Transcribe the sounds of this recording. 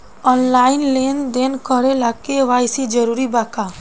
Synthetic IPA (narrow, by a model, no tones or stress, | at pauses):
ɔnlaːɪnleːnd̪eːnkəɾelakːeʋaːjsid͡ʒəɾuːɾibaːkaː